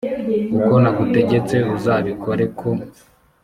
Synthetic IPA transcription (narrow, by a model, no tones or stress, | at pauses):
uko̞naɡute̞ɟe̞t͡se̞uzaːβikʰo̞ɾe̞kʰo